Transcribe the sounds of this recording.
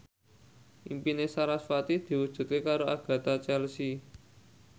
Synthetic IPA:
ʔimpinesaɾasfat̪id̪̥i̤wud̥ʒ̥ṳt̪̚kekaɾoaɡ̥a̤t̪at͡ʃɛlsi

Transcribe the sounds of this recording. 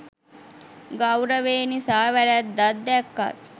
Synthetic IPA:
ɡawɾəʋeːnisaːʋæɾæt̪d̪ad̪ːɛkːa̰t̪

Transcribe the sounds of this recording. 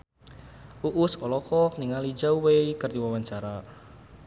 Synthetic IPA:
ʔuʔusɔlɔkɔkniŋalid͡ʒaweikərd̪iwawaɲt͡ʃaɾa

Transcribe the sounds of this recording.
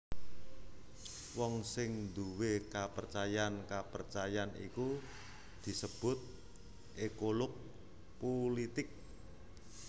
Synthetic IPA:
wɔŋsɪŋnd̪uwekapərt͡ʃajankapərt͡ʃajanḭku | d̪̥i̤səb̥ʊ̤t̪̚ | ʔekolok̚ | polit̪ɪk̚

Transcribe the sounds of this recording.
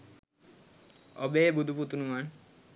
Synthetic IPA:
ɔ̰bebud̪ʱuput̪unuman

